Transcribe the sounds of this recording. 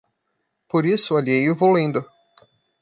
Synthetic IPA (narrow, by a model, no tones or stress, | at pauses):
poɾisʊaʎjejʊvolẽnd̪ʊ